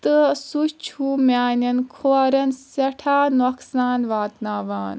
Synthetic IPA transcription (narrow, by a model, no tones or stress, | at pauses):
t̪ɨsut͡ʃʰumʲaːnɐnkʰoːɾɐnsɐʈʰaːnoksaːnʋaːt̪naːʋaːn